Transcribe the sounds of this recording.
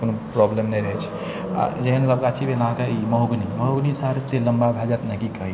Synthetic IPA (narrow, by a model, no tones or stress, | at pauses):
konopɾɔblemnəjɾəɦɛt͡ʃʰɛ̥ | a̰d͡ʒeɦənləbkat͡ʃʰibenãkaiməɦoɡniməɦoɡnisaɾt̪eləmbabʱɛd͡ʒat̪nakikəɦi